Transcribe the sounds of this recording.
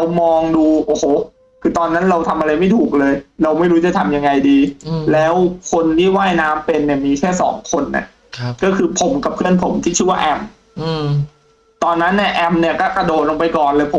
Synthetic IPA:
ɾwmɔː˧ŋduː˧ʔoː˨˩hoː˨˩ | kʰɯː˧t̪ɔː˧nːa˦˥nɾa˧wt̪ʰa˧mʔa˧ɾa˧jma˥˩jt̪ʰuː˨˩k̚lɤː˧jɾa˧wma˥˩jɾu˦˥t͡ɕa˨˩t̪ʰa˧mja˧ŋːa˧jdiː˧lɛː˦˥wkʰo˧nt̪ʰiː˥˩waː˥˩jnaː˦˥mpe˧nːi˥˩ɐmiː˧kʰɛː˥˩sɔ̰ː˩˦ŋkʰo˧nʔa̰˨˩ | kɔː˥˩kʰɯː˧pʰo˩˦mka˨˩p̚ʰɯ˥˩ənpʰo˩˦mt̪ʰiː˥˩t͡ɕʰɯ˥˩wa˥˩ʔɛ˧m˧ | t̪ɔː˧nːa˦˥nːi˥˩əʔɛ˧m̚ni˥˩ɐkɔː˥˩ka˧doː˨˩t̪̚lo˧ŋpa˧jkɔː˨˩nlɤː˧jpʰo˩˦

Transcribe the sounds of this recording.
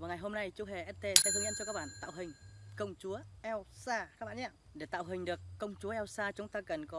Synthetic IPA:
vaː˨˩ŋa˨˩jɦo˧mna˧jt͡ɕu˨˧˦ɦe˨˩ʔɛ˦˥t̚t̪e˧sɛ̰˧˥t̪ʰŋɲə̰˧˥nt͡ɕɔ˧kaː˦˥ɓaː˧˨nt̪a̰ː˧˨wɦï˨˩ŋ̟kə˧wŋ͡mt͡ɕu˨˦əʔɛ˧wsaː˧kaː˦˥k̚ɓaː˧˨ɲaː˧ | ɗe˧˩t̪a̰ː˧˨wɦï˨˩ŋ̟ɗɨ˨˩əkːə˧wŋ͡mt͡ɕu˨˦əʔɛ˧wsaː˧t͡ɕʊ˨˦ŋ͡mt̪aː˧kə˨˩nkɔ˨˦

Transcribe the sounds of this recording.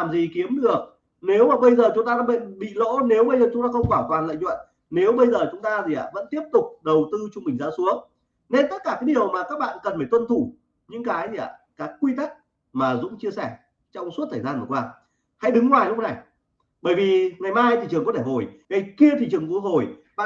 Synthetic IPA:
laː˨˩mzi˨˩ki˨˦əmɗɨ˨˩ək̚ | ne˨˦wmaː˨˩ɓə˧jzəː˨˩t͡ɕʊ˨˦ŋ͡mt̪aː˧ɗaː˧˥ɓḛ˧˨nɓḭ˧˨lo̰˧˥ne˨˦wɓə˧jzəː˨˩ʊ˨˦ŋ͡mt̪aː˧xə˧wŋ͡mkwaː˧˩t̪waː˨˩nlə̰˧˨ŋt͡ɕwə̰˧˨n | ne˨˦wɓə˧jzəː˨˩t͡ɕʊ˨˦ŋ͡mt̪aː˧zi˨˩ʔa̰ː˧˩və̰˧˥nt̪i˦˥əp̚t̪ʊ˨˩k͡p̚ɗə˨˩wt̪ɨ˧t͡ɕʊ˧ŋ͡mmï˨˩ŋ̟za̰ː˧˥su˨˦əŋ | ne˧nt̪ə˦˥t̚kaː˧˩kaː˨˦jɗi˨˩əwmaː˨˩kaː˦˥k̚ɓa̰ː˧˨nkə˨˩nfaː˧˩jt̪wə˧nt̪ʰu˧˩ | ɲɨ̰˧˥ŋkaː˨˦jʔaː˧˩ | kaː˨˦jkwi˧t̪ə˦˥k̚ | maː˨˩zʊ̰˧˥ŋ͡mt͡ɕi˧əsɛ˧˩ | t͡ɕɔ˧wŋ͡msu˦˥t̪ʰəː˨˩zaː˧nvɨ˨˩kwaː˧ | ha̰˧˥jɗɨ˨˦ŋːwaː˨˩jlk͡p̚na˨˩j | ɓəː˧˩jvi˨˩ŋa˨˩jmaː˧jt̪ḭ˧˨t͡ɕɨ˨˩əŋkɔ˨˦e˧˩ɦo˨˩jŋa˨˩jki˧ət̪ʰḭ˧˨t͡ɕɨ˨˩əŋku˧˦ɦo˨˩jɓa̰ː˧˨

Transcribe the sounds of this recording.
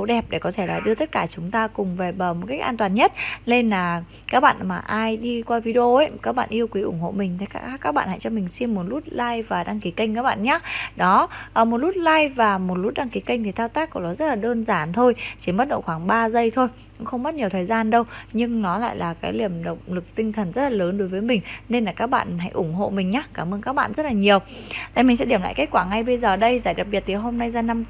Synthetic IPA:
ə˨˦wɗɛ˨˩p̚ɗe˧˩kɔ˨˦t̪ʰe˧˩la̰ː˨˩ɗɨ˧ət̪ə˦˥t̚kaː˧˩t͡ɕʊ˨˦ŋ͡mt̪aː˧kʊ˨˩ŋ͡mve˨˩ɓəː˨˩mo˨˩t̚ka˦˥jk̚ʔaː˧nt̪waː˨˩nɲə˦˥t̚le˧nlaː˨˩ | kaː˦˥k̚ɓa̰ː˧˨nmaː˨˩ʔaː˧jɗi˧kwaː˧vi˨˧˦ɗo˧ʔə˦kaː˦˥k̚ɓa̰ː˧˨nʔi˧əwkwi˨˦ʔʊ̰˧˩ŋ͡mho̰˧˨mï˨˩ŋ̟t̪ʰə˨˦kaː˦˥˦kaː˦˥k̚ɓ̰a̰ː˧˨nha̰˧˨jt͡ɕɔ˧mï˨˩ŋ̟si˧mːo˨˩t̚lu˦˥t̚laː˧jvaː˨˩ɗa˧ŋki˨˦kə˧jŋ̟kaː˦˥k̚ɓa̰ː˧˨nɲaː˨˦ɗɔ˨˦˨mo˨˩t̚lu˦˥t̚laː˧jvaː˨˩mo˨˩t̚lu˦˥t̚ɗa˧ŋki˨˦kə˧ŋ̟t̪ʰi˨˩t̪aː˧wt̪aː˦˥k̚kɔ˧˩ɗɔ˨˦zə˦˥t̚laː˨˩ɗəː˧nzaː˧˩nt̪ʰo˧jt͡ɕi˧˩mɓə˦˥t̚ɗə̰˧˨wxwaː˧˩ŋɓaː˧zə˧jt̪ʰo˧j | kʊ̰˧˥ŋ͡mxə˧wŋ͡mɓa˦˥t̚ɲi˨˩əwt̪ʰːjzaː˧nɗə˧wɲɨ˧ŋnɔ˨˦la̰ː˧˨jlʔaː˨˩kaː˨˦jli˧˩əmɗə̰˧˨wŋ͡m̚lɨ˨˩k̚t̪ï˧ŋ̟t̪ʰə˨˩nzə˦˥t̚laː˨˩ləː˨˦nɗo˨˦jvəː˨˦jmï˨˩ŋ̟ne˧nlaː˨˩kaː˦˥k̚ɓa̰ː˧˨nɦa̰˧˥jʔʊ˧˩ŋ͡mɦo̰˧˨mï˨˩ŋ̟ɲaː˨˦˥kaː˧˩mʔəː˧nkaː˦˥k̚ɓa̰ː˧˨nzə˦˥t̚laː˨˩ɲi˨˩əwt̪a̰˧˨jmï˨˩ŋ̟sɛ̰˧˥ɗi˧˩əmla̰ː˧˨jka˦˥kwaː˧˩ŋa˧jɓə˧jzəː˨˩ə˨˩ɗə˧jzaː˧˩jɗa˨˩p̚ɓi˨˩ət̚t̪ʰi˨˩ɦo˧mna˧jzaː˧na˧m

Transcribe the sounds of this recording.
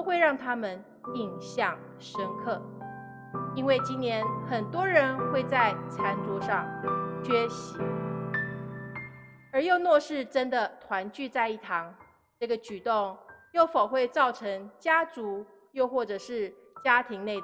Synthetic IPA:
t̪ʊxwe˥˧ɪɻɑ˥˩ŋt̪ʰa˥mə˨n | i˨˩ŋɕjɑ˥˩ŋ | ʂə˥ŋkʰɤ˥˩ | i˥nwe˥˩ɪt͡ɕi˥nnjɛ˧˥nxə˨˩nt̪wɔ˥ɻə˧˥nxwe˥˧ɪt͡sa˥˩ɪt͡sʰa˧˥nt͡sɔ˧˥ʂɑ˥˧ŋt͡ɕɥɛ˥ɕi˧˥ | ə˞˧˥jo˥˧ʊnwɔ˥˧ʂɻ̩˥˩ʈ͡ʂə˥nd̪ə˨t̪ʰwa˧˥nt͡ɕy˥˧t͡sa˥˧ɪi˥˩t̪ʰɑ˧˥ŋ | ʈ͡ʂɤ˥˩ɡə˩t͡ɕy˨˩t̪ʊ˥˩ŋjo˥˩ʊfo˨˩ʊxwe˥˧ɪt͡sɑ˥˩ʊʈ͡ʂʰɤ˧˥ŋt͡ɕja˥t͡su˧˥ | jo˥˧ʊxwɔ˥˩ʈ͡ʂɤ˨˩ʂɻ̩˥˩ | t͡ɕja˥t̪ʰi˧˥ŋne˥˩

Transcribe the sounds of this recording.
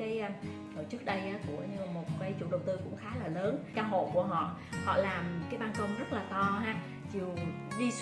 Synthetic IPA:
aː˨˦jt̪ʰo˧˩t͡ɕɨ˦˥ək̚ɗə˧jʔaː˨˦ku˧˩əɲɨ˧mo˨˩t̚kaː˨˦jt͡ɕṵ˧˨ɗə˨˩wt̪ɨ˧kʊ̰˧˥ŋ͡mxaː˨˦laː˨˩ləː˨˦nkaː˧wɦo̰˧˨ku˧˩əɦɔ̰˧˨hɔ̰˧˨laː˨˩mkaː˨˦jɓaː˧nkə˧wŋ͡mzə˦˥t̚laː˨˩t̪ɔ˧ɦaː˧ | t͡ɕi˨˩əw | zi˧

